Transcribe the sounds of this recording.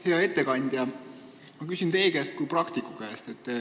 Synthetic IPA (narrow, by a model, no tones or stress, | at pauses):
he̞ɑe̞t̪ːe̞kɑnʲd̪̥jɑ | mɑkysʲint̪e̞jkæst̪̚kuprɑkt̪ikˑukæːst̪et̪ː